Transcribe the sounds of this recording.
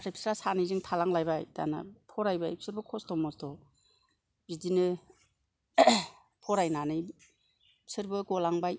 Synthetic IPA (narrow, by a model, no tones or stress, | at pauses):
ɾapʰi̥sɾasanizɯŋtʰalaŋlajbajda̰na̰pʰɔɾajbajpʰsɯɾbɯkʰɔstɔmɔstɔ | bidinɯ | pʰɔɾajnanɯj | psɯɾbɯɡɔlaŋbaj